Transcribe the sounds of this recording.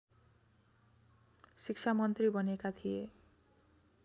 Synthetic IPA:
sik̚t͡sʰamʌnt̪ribʌnekat̪ʰije

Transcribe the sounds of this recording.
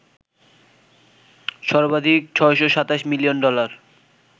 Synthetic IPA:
ʃɔɾbad̪ʱik̚t͡ɕʰɔeʃoʃat̪aʃmilionɖɔlaɾ

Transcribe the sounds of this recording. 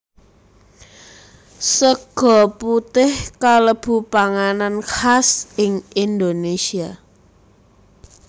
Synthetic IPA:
səɡ̥ɔ̤put̪ɪhkaləb̥ṳpaŋananxasɪŋind̪onesia

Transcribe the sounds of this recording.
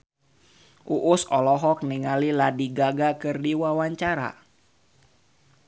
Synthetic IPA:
ʔuʔʊsɔlɔɦɔk̚niŋaliladiɡaɡakɨrdiwawaɲt͡ʃaɾa̰

